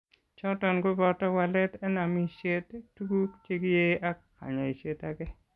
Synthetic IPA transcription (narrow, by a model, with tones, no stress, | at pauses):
t͡ʃɔ˦tɔ˨nɡo˦bɔ˦tɔ˦wa˨lɛ˦tɛ˦na˨mi˦ʃe˦ttːu˦ɡu˦t͡ʃe˦ɡi˦je˦a˦ka̰˨ɲa˨i˨t͡ʃe˦ta˨ɡɛ˦